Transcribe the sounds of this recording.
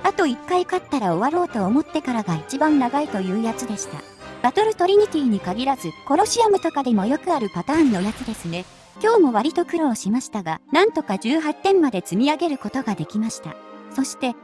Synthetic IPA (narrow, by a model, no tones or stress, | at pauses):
at̪o̞ikːaikat̪ːaɾao̞βaɾo̞ːt̪o̞ːmo̞t̪ːe̞kaɾaɡait͡ɕibãnːaɡait̪o̞jɯ̟ːjat͡sɨd̪e̞ɕi̥t̪a̰ | b̥at̪o̞ɾɯ̟t̪o̞ɾʲiɲ̟it̪ʲiːɲ̟ikaɡʲiɾazɨko̞ɾo̞ɕiamɯ̟t̪o̞kad̪e̞mo̞jo̞kɯ̟aɾɯ̟pat̪aːnːo̞jat͡sɨd̪e̞sɨne̞ | kʲo̞ːmo̞β̞aɾʲit̪o̞kɯ̟ɾoːɕimaɕi̥t̪aɡanãnt̪o̞kaʑɨːɦat̪ːẽ̞mːad̪e̞t͡sɨmʲiaɡe̞ɾɯ̟ko̞t̪o̞ɡad̪e̞kʲimaɕi̥t̪a̰so̞ɕi̥t̪e̞